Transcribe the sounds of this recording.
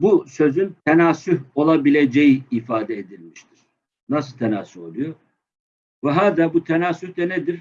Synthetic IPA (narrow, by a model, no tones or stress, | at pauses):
busø̞zynt̪ʰenaːsyho̞lˠabilʲe̞d͡ʒejiifaːd̪ɛed̪ilʲmiʃt̪ʰiɾ̥ | nasɯlˠt̪ʰenaːsyho̞lˠujo | vɛɦaːd̪abut̪ʰenaːsyhd̪ɛned̪iɾ̥